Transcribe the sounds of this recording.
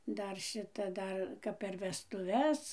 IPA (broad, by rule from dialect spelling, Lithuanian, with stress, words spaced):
ˈdɐr ˈʃʲɪtɐ ˈdɐr ˈkɐp pʲɛr ʋʲɛstʊˈʋʲɛs